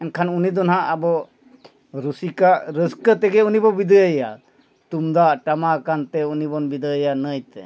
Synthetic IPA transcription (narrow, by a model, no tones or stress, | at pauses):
ɛnkʰanunid̪ɔnɦaabɔ | ɾusikaʔɾəskət̪ɛɡɛunibɔbid̪əjəja | t̪umd̪aʔʈamakant̪ɛunibɔnbid̪əjanəjt̪ɛ̰